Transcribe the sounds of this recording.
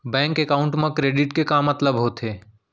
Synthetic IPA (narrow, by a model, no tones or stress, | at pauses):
bɛ̃ːŋkekaːʊɳʈmẽkɾeːɖɪʈkekamːɐt̪ləbɦot̪ʰeː